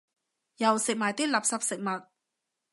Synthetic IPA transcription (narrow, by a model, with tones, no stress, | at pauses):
jɐ˨˩wsɪ˨k̚maː˨jt̪iː˥lɐ˨p̚sɐ˨p̚sɪ˨k̚mɐ˨˩t̚